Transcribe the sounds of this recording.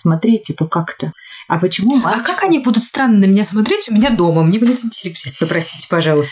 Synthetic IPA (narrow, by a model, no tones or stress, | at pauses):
smɐt̪ɾʲetʲipəkakt̪ə | ɐpət͡ɕɪmumaakakɐnʲibud̪ʊt̪st̪ɾanːənəmʲɪnʲasmɐt̪ɾʲetʲʊmʲɪnʲad̪o̞məmnʲebudʲɪt̪ɪnʲtʲɪlʲɪpʲsʲist̪əpɾɐsʲtʲi̥tʲɪ̥pɐʐɑlˠʊst̪